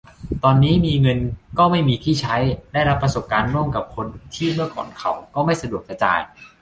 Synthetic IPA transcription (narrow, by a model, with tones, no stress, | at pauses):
t̪ɔː˧nːiː˦˥miː˧ŋɤ˧nkɔː˥˩ma˥˩jmiː˧t̪ʰiː˥˩t͡ɕʰa˦˥jda˥˩jɾa˦˥pːɾa˧so˨˩p̚kaː˧nɾu˥˩əmka˨˩p̚kʰo˧nt̪ʰiː˥˩mɯ˥˩ɐkɔ̰ː˨˩nkʰa˨˩wkɔː˥˩ma˥˩jsa˧du˨˩ək̚a˧t͡ɕa̰ː˧j